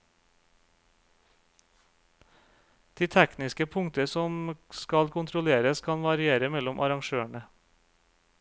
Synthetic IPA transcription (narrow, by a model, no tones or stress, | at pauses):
d̪̥iːt̪ʰæknɪskəpʰʊŋt̪əsɔmskɑlkʰʊnt̪ʰɾʊleːɾəskʰɑnʋɑɾɪeːɾəmɛlʊmʔɑɾɑŋʃøːəɳə